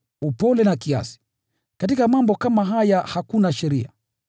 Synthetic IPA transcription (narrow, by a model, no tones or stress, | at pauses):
upɔlɛnakia̰si̥ | katikamambɔkamaɦajahakunaʃɛɾia̰